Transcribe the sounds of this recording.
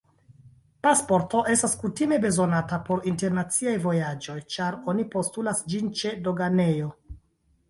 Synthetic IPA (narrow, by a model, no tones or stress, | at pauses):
paspo̞ɾto̞ʔe̞staskutime̞be̞zo̞natapo̞ɾinte̞ɾnat͡siajvo̞jad͡ʒo̞jt͡ʃaɾo̞nipo̞stulasd͡ʒint͡ʃe̞do̞ɡane̞jo̞